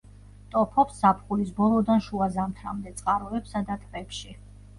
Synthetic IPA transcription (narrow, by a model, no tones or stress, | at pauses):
t̪ʼɔpʰɔpsːapʰχulisbɔlˠɔd̪anʃuazamt̪ʰɾa̰md̪ɛt̪sʼqʼaɾɔɛpsad̪at̪ʼpʼɛpʃi